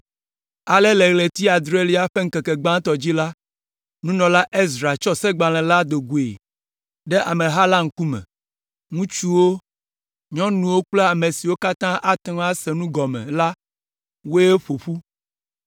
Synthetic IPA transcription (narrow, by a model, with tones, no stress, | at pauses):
a˨le˦le˨ɣle˨t̪i˦a˨d̪ɾe˦li˦a˦ɸe˦ŋ̩˦ke˨kɛ˨ɡ͡bã˦t̪ɔ˨d͡ʑi˦la˦ | nũ˦nɔ̃˨la˦ʔe˦zɾa˨t͡ʃɔ˦se˦ɡ͡ba˨l̃ɛ̃˨la˦d̪o˨ɡu˨ḛ˨ | ɖɛ˦ʔa˨mẽ˨ɦa˦la˦ŋ̩˨ku˦mɛ̰̃˨ | ŋũ˦t͡ʃu˦wo˦ | ɲɔ̃˦nũ˨wo˦k͡ple˦a˨me˨si˨wo˦ka˦t̪ã˦ʔa˦t̪ŋ˦a˦sɛ˨nũ˦ɡɔ˨mɛ̰̃˨la˦ | wo˦e˦ɸo˨ɸu˦